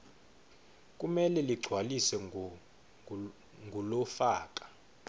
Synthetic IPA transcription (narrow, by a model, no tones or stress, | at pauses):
kʼumɛlɛliɡ͡ǀʱwalisɛ | ŋɡʱulɔfaːkʼḁ